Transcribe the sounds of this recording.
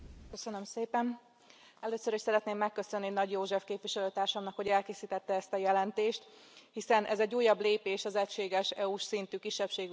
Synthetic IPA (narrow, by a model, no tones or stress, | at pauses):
køsønømseːpɛn | ɛløːsøɾiʃsɛɾɛt̪neːmːɛkːøsønːinɒɟjoːʒɛfkeːpʋiʃɛløːt̪aːrʃɒmnɒkho̞ɟɛlkeːsiːt̪ɛt̪ːɛɛst̪ɒjɛlɛnt̪eːʃt̪ | hisɛnʔɛzɛɟːuːjɒbleːpeːʃɒzɛcʃeːɡɛʃɛuʃsint̪yːkiʃːɛpʃeːɡ